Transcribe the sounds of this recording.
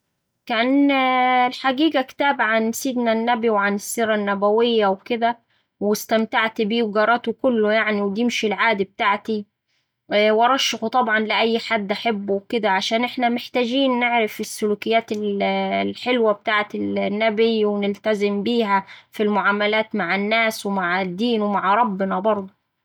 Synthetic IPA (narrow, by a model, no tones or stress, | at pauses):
kæːn | lħaɡiːɡækt̪æːbʕansiːd̪nænːæbiwʕanɪsːiːɾˤɑnːæbæwɪjːæwkɪd̪æ | wɪst̪æmt̪aʕt̪biːwɡɑɾˤɑːt̪okʊlːʊjaʕniwd̪imʃilʕaːd̪ib̚t̪aːʕt̪i | wʔɑɾˤɑʃːɪxut̪ˤɑbʕɑnlɪʔæjːħad̪ːʔaħabːuwkɪd̪æʕaʃæːnʔɪħnæmɪħt̪æːd͡ʒiːnːeʕɾɪfɪsːʊluːkɪjːæːt̪ɪllħɪlwæb̚t̪aːʕt̪ɪlnːæbiwɪnɪlt̪æzɪmbiːɦæfilmʊʕaːmælæːt̪maʕɪnːæːswɪmaʕd̪ːiːnwmaʕɾˤɑbːɪnɑbɑɾˤd̪ˤu